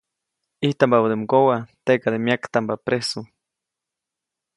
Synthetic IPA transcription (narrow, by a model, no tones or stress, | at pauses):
iht̪ambabud̪emɡowat̪ekad̪emjakt̪ambapɾesu